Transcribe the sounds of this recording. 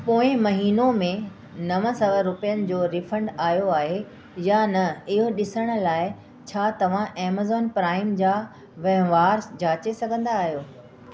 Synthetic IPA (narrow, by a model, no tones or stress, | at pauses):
poːɪ̃mɐɦiːnomẽ | nɐʋə̃̆sɐʋəɾʊpijənɪ̆d͡ʑoːɾɪfʰə̃ɳɖaːɦijoaːɦe | janɐɪɦoɗɪsəɽ̃ʊ̆laːɪ | t͡ɕʰaːt̪ɐʋ̤ãʔeːmazɔːnpɾaːɪmd͡ʑaː | ʋɐɦʋaːɾd͡ʑʱaːt͡ɕesɐɡʱə̃nd̪aːɦijoː